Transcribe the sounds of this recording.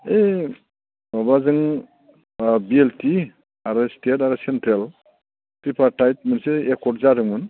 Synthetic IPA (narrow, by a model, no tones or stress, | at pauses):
e | ɔbazɯŋ | bielti | aɾɯstʰetaɾɯsentɾel | tɾipʰaɾtajt̚mɯnseekʰɔtzaɾɯŋmɯn